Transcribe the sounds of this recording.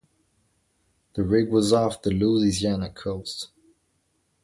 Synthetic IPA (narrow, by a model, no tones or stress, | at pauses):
ðəɹɪɡwɒzɑˑfðəluːzɪzianəkʰːoʊst